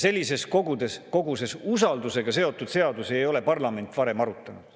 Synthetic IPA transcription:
se̞lʲːise̞sko̞ɡud̪̥e̞sko̞ɡuse̞susɑld̪use̞ɡ̥ɑse̞o̞t̪ːˑud̪̥se̞ɑd̪usejo̞le̞pɑrlɑme̞nt̪ːˑvɑɾe̞mɑɾut̪ːˑɑnud̥

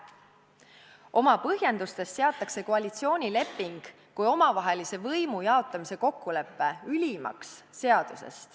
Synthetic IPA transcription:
ʔo̞mɑpɤɦje̞nd̪̥ust̪e̞st̪se̞ɑt̪ˑːɑkse̞koɑlʲit̪sio̞ːnʲile̞pːˑiŋɡ̥ | kujo̞mɑvɑɦe̞lise̞vɤjmujɑo̞t̪ːˑɑmise̞ko̞kːule̞pːe̞ylʲimɑ̰ksːe̞ɑd̪̥use̞̰st̪

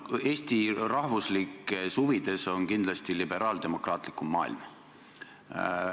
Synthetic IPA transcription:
e̞ːst̪irɑhvuslikːˑesuvid̪̥e̞so̞nkind̪lɑst̪ilib̥e̞ɾɑːld̪̥e̞mo̞krɑːt̪likːˑumːɑ̰ːḭlm

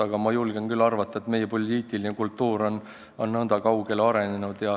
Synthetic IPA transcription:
ɑɡ̥ɑmɑjulɡ̥enkylːɑrvɑt̪ˑːɑet̪me̞jːepo̞lʲːiːt̪ˑilinekult̪ːˑuːɾo̞n | onnɤnd̪̥ɑkɑwɡ̥e̞lɑɾe̞nenud̪̥jɑ

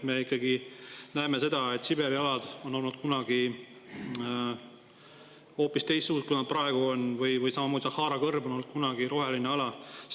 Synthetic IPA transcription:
me̞ikːˑɑɡinæeme̞se̞d̪̥ɑe̞t̪ːˑsibe̞ɾiɑlɑd̪̥o̞nːo̞lnud̪̥̚kunɑɡ̥i | ho̞ːpːist̪e̞jst̪suːtkusnɑd̪̚prɑeɡ̥uo̞nvɯjvɯjsɑmɑmoːd̪isɑhɑːɾɑkɤrbo̞no̞lːnud̪̥kunɑɡ̥iɾo̞ɦe̞lineɑlɑ

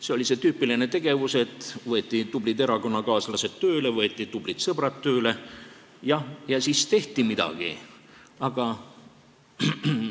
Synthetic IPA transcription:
se̞o̞lʲise̞t̪yːpiline̞t̪e̞ɡ̥e̞vuse̞t̪ːˑvɤe̞t̪ʲːˑit̪ub̥lid̪e̞ɾɑko̞nːɑkɑːslɑse̞t̪t̪ːø̞ːle̞vɤet̪ʲˑːit̪ub̥lit̪sɤb̥rɑt̪ːø̞ːle̞ | jɑjɑsist̪e̞ht̪imid̪̥ɑ̰ɡ̥ḭ | ɑɡ̥ɑ

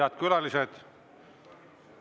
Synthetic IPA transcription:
ɑd̪̥̚kylɑlised̪̥ | k

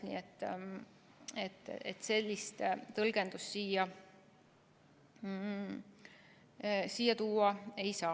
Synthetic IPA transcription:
nḭet̪ː | et̪ːˑet̪ːse̞lʲːist̪t̪ɤlɡ̥e̞nd̪̥ussiːjɑ | siːjːɑt̪uːɑe̞jsɑː

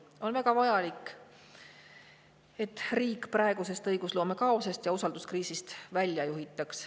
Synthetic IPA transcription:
o̞nvæɡ̥ɑvɑjɑlikː | e̞t̪ːˑriːkːˑprɑe̞ɡuse̞st̪ɤjɡ̥usloːme̞kɑosɑst̪jɑusɑld̪uskriːsist̪vælʲjɑjuɦit̪ːˑɑks

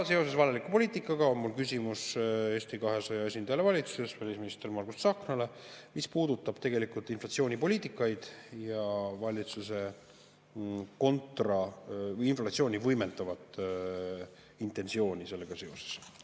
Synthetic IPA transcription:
se̞o̞se̞svɑlelikːˑupo̞lʲiːt̪ikˑːɑɡ̥ɑonmulkysʲimuse̞ːsʲt̪ikɑɦe̞sɑjɑe̞s̬ʲind̪ɑjɑlevɑlʲit̪suse̞svælʲisminist̪ermɑlɡust̪sɑːknɑle̞mispuːd̪ut̪ːˑɑb̥t̪e̞ɡe̞likult̪ˑinflɑt̪sio̞ːnʲipo̞lʲiːt̪ˑikːˑɑjd̪̥jɑvɑlʲit̪suse̞ | ko̞nt̪rɑinflɑt̪sio̞ːnʲivɤjme̞nd̪̥ɑvɑt̪ːˑ | int̪ˑe̞nsio̞ːnʲise̞lːe̞ɡ̥ɑse̞o̞se̥s

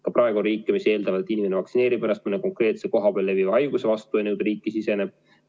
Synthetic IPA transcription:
kɑprɑe̞ɡ̥uonriːkːemise̞ːld̪ɑvɑet̪ːˑinime̞nevɑksine̞ːɾibenɑst̪minːeko̞ŋkre̞ːt̪seko̞ɦɑbeːlːevivɑjɡ̥use̞vɑst̪uenewd̪ɾiːkːˑisise̞neb̥̚

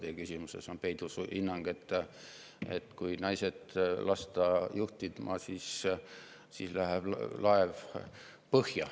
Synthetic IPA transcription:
t̪ekysʲimusesonpe̞jd̪usʔinːɑŋɡ̥e̞t̪ˑː | et̪kujnɑjsed̪lʔɑst̪ɑjuht̪id̪mɑsiːs | siːslæɦeb̥lɑev | pɤhjɑ

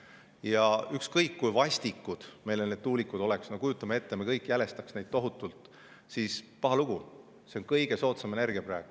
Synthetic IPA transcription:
jɑykskɤjkːujvɑsʲt̪ikːud̪̥me̞jlened̪̥̚t̪uːlikːud̪̥o̞leksno̞kujut̪ːˑɑmee̞t̪ːe̞me̞kɤjkːˑjæle̞st̪ɑksnejd̪̥̚t̪o̞ɦut̪ːˑult̪ˑ | sispɑɦɑluɡ̥u | se̞onkɤjɡ̥e̞so̞ːt̪sɑme̞ne̞rɡiɑpræːɡ̥

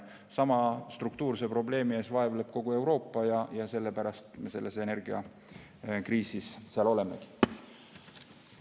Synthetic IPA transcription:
sɑmɑst̪rukt̪uːrsepro̞ble̞ːmie̞ːsvɑevle̞b̥ko̞ɡ̥ue̞wɾo̞ːpːˑɑjɑjɑse̞lːepæɾɑst̪mese̞lːese̞ne̞rɡ̥iɑ̰ | kriːsisseɑlo̞le̞me̞̰ɡ̥i̥

